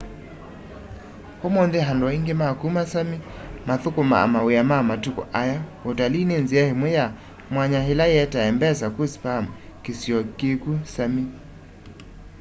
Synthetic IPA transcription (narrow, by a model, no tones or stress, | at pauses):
homonðeɦandwaiŋɡemakumasami | maθokoma̰a̰maweamamatukɔ̰ʔajaotalinenziahemwɛja | mwaɲahelajɛtaɛmbɛsakospam | kesjɔkekusami